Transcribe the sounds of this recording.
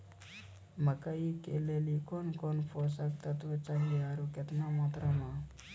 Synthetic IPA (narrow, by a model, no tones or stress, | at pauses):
makaikelelikɔnkɔnpʰɔsak̚t̪at̪ut͡ʃaŋɡiaɾuket̪namat̪ɾəma